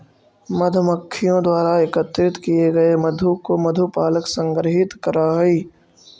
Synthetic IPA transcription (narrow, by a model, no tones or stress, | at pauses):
mɐd̪ʱməkʰːijõd̪waːɾaɪkət̪ɾɪt̪kijeɡɐemɐd̪ʱukomɐd̪ʱupaːləksə̃ŋɡɾəɦɪt̪kɐɾaɦɛiː